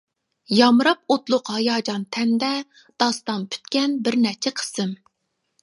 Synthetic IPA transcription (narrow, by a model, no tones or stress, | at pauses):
jɑmɾɑp̚ot̪lˠʊqhɑjɑːd͡ʒɑnt̪ʰɛnd̪ɛ | d̪̥ɑst̪ɑnpʰy̥t̪kʲɛnbɪɾnɛt͡ʃʰɛqʰə̥sɨm